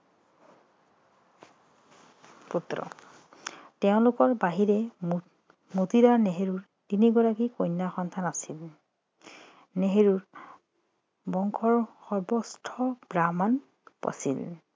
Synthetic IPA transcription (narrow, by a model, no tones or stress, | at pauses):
putɹɔ̰ | tɛʊ̃lʊkɔɹbaɦiɹɛ | motiɾaneɦeɹuɹ | tiniɡɔɹakikojnːaxɔnt̪ʰanasil | neɦeɹuɹ | bɔŋkʰɔɹxɔɹbɔstʰɔbɹaman | pa̰sḭl